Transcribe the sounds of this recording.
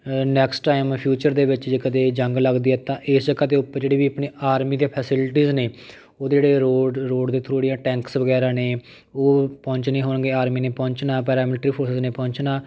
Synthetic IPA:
nɛːksʈʈaːɪmpʰjuːt͡ʃəɾd̪eːʋɪt͡ʃd͡ʒeːkəd̪eːd͡ʒəŋɡləɡd̪iːɛːt̪ãːʔɪsd͡ʒəkad̪eːʊpːəɾd͡ʒeːɽiːʋiːəpneːaːɾmiːd̪eːpʰɛsɪlʈiːzneː | oːd̪eːɽeːɾoːɾoːɖd̪eːt̪ʰoːɽijãːʈɛ̃ːŋksʋəɡɛːɾãːneː | oːpɔ̃ːɲt͡ʃnẽːɦoːnɡeːaːɾmiːneːpɔ̃ːɲt͡ʃnaːpɛːɾaːmiːʈɾiːpʰoːɾsɪzneːpɔ̃ːɲt͡ʃnaː

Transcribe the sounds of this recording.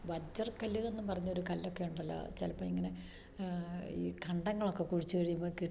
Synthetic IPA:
ʋɐd͡ʑɐrkɐluɣe̞nːɨpɐrɐɲːuoɾukɐlːokːe̞uɳɖɐlːo̰t͡ɕelɐpːoːiŋːɐne̞ | iːkɐɳɖɐŋːɐɭo̞kːe̞kuɻit͡ɕːɨkɐɻijumbokiʈː

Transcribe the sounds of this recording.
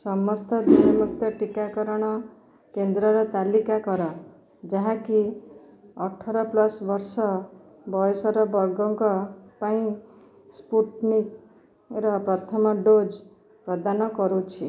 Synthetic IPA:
sɔmɔst̪ʰɔd̪ujɔmuk̚ʰt̪ɔʈikakɔɾɔɽ̃ɔ | kend̪ɾɔɾɔt̪alikakɔɾɔ | d͡ʒaɦãki | ɔʈʰːɔɾɔplɔsbɔɾsɔ | bɔjɔsɔɾɔbɔɾɡɔŋkɔpaĩ | spuʈnik | ɾɔpɾɔt̪ʰɔmɔɖod͡ʒ | pɾɔd̪anɔkɔɾut͡ʃʰi

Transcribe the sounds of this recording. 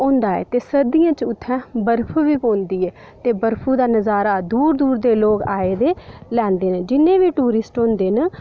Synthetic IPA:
ɔ̃ːnd̪aːɛ̰ːt̪eːsəd̪ijãːt͡ʃʊt̪ʰːɛ̃ːbəɾpʰuːʋiːpõːnd̪iːɛː | t̪eːbəɾpʰuːd̪aːnəzaːɾaːd̪uːɾd̪uːɾd̪eːloːkaːeːd̪eːlɛ̃ːnd̪eːneːd͡ʒɪnːẽːʋiːʈuːɾɪsʈõːnd̪eːnə

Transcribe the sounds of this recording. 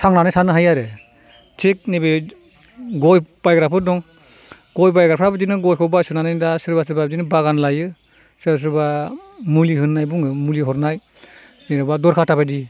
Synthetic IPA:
sʰaŋnanajsʰanɯɦajaɾɯ | tʰek̚nebe | ɡɔjb̥ajɡɾapʰɯdɔŋ | ɡ̥ɔjbajɡɾapʰɾabɯd͡ʒinɯɡɔjkʰɔbasunanajndasɯɾbasɯɾbabd͡ʒinɯbaɡanlajɯ | sɯɾbas̬ɯɾbamuliɦɯnːajbuŋɯmuliɦɔɾnaj | niɾabadɔɾkʰatʰabajdi

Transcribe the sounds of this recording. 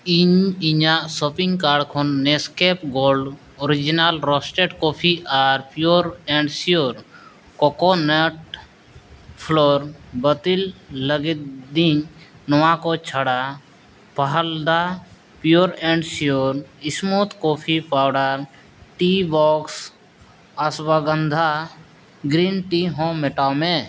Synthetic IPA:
iɲiɲasopĩŋɡkaːɾɖkʰonːeskepɡoːlɖ | oɾid͡ʒinalɾɔsʈeʈkopʰiaːɾpijoɾẽɳɖsioɾ | kɔkoneʈ | pʰloːɾbət̪ilːəɡid̪iɲnəʋãkot͡ʃʰəɽa | pəɦəld̪a | pjoːɾɛ̃ːɳɖsijoːɾɪsmuːt̪koːpʰipaːwɖəɾ | ʈibɔːks | əswəɡənd̪ʱa | ɡɾiːnʈiɦõːmɪʈaːmẽː

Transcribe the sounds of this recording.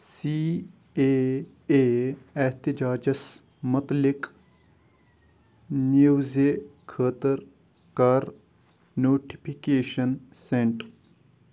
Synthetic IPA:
siː | e | eːeht̪ɪd͡ʒaːd͡ʒɐs | mɐt̪lɪk | nijuːzekʰəːt̪əɾ | kaːɾ | noːʈi̥pʰikeːʃɐnsẽɳʈ

